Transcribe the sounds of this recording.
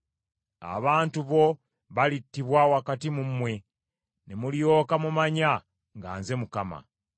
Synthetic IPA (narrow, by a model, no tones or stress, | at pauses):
a̰βaːntuβo̞ | βalitːiβwawakatimumwe̞ | nemuljo̞ːkamumaɲa | ŋɡa̰ːnze̞mukama̰